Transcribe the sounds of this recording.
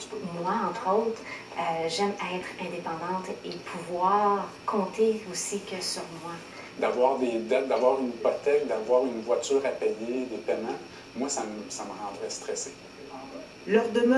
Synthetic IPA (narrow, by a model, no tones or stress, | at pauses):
pmwaɑ̃t̪χoːt̪χ | øʒɛmɛːt̪χɛ̃d̪epɑ̃d̪ɑ̃t̪epʰuvwaːʁkʰɔ̃ːt̪eosikʲəsyʁmwa | d̪avwaːʁd̪ed̪at̪̚d̪avwaːʁynipɔt̪ɛk̚d̪avwaːʁynvwatyːʁapɛjed̪epɛmã | mwasamsaməʁɑ̃ːd̪ʁɛst̪ʁɛse | lœʁd̪əm